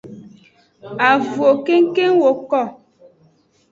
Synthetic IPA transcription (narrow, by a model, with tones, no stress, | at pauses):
a˨vu˨o˨ke˦ŋ̩˦ke˦ŋwo˨kɔ˦˨